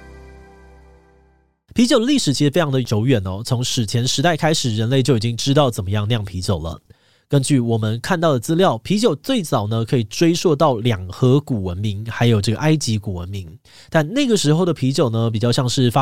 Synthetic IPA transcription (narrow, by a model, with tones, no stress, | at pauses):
pʰi˧˥t͡ɕjo˨˩d̪ə˧li˥˩ʂɻ̩˨˩t͡ɕʰi˧˥ʂɻ̩˨˧fe˥ɑ˧ŋd̪ə˧jo˧˥ʊɥɛ˨˩nɔ˨˩t͡sʰo˧˥ŋʂɻ̩˨˩t͡ɕʰjɛ˧˥nʂɻ̩˧˥t̪a˥˩ɪkʰa˥ɪʂɻ̩˨˩ɻə˧˦nle˥˧ɪt͡ɕjo˥˩ʊi˨˩t͡ɕi˦ŋʈ͡ʂɻ̩˥t̪ɑ˥˩ʊt͡sə˨˩nmə˦jɑ˥˧ŋljɑ˥˩ŋpʰi˧˥t͡ɕjo˨˩ʊlə̰˦ | kə˦˥nt͡ɕy˥˩wɔ˨˩mə˦nkʰa˥˧nt̪ɑ˥˩ʊd̪ə˩t͡sɹ̩˥ljɑ˥˩ʊpʰi˧˥t͡ɕjo˨˩ʊt͡swe˥˩ɪt͡sɑ˨˩ʊnə˦kʰɤ˧˥i˨˩ʈ͡ʂwe˥ɪswɔ˥˧t̪ɑ˥˩ʊljɑ˨˩ŋxɤ˧˥ku˨˩wə˧˦nmi˧˥ŋxa˧˥ɪjo˨˩ʊʈ͡ʂɤ˥˩ɡə˩ʔa˥ɪt͡ɕi˧˥ku˨˩wə̰˧˦nmi˧˥ŋ | t̪a˥˧nna˥˩ɡə˩ʂɻ̩˧˥xo˥˩ʊd̪ə˩pʰi˧˥t͡ɕjo˨˩ʊnə˦p̬i˨˩t͡ɕɑ˥˧ɕjɑ˥˧ŋʂɻ̩˥˩fa˦˥